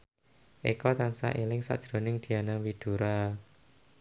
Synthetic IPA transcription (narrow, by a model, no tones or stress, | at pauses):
ʔḛkɔt̪ansa̰ʔelɪŋsa̰ʔd̥ʒ̥ɾo̤nɪŋd̪̥i̤anawid̪̥ṳɾa